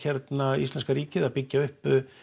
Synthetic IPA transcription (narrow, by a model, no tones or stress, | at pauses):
çɛɾt̪naist̪ɛnskaɾiːcɪðaðpɪcːaʏhp